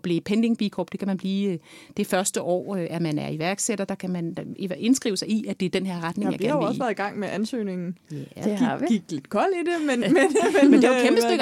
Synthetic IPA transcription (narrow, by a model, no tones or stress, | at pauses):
b̥liːpʰend̥e̝ŋb̥ikʰɒb̥d̥e̝kʰæmænb̥liːd̥efɶɐsd̥əʔɒ̰ːøæɐmænæɐiʋæɐɡ̥seɾ̥ɐd̥ɑ̈kʰæmænie̝nsɡ̥ʁḭʊəsɑ̈ɪiæd̥e̝æɐd̥enɦeɐ̰ʁɑ̈d̥neŋj̰ɑ̥̈ɐnʊeɒ̽sʋæɐðˠiɡ̥ɑ̈ŋ̰meʔænsø̰ːne̝ŋn̩jæe̥iɡ̥iɡ̥̚d̥le̝d̥kʰɒ̽l̰id̥e̝menmenmemend̥e̝kembbəseɡ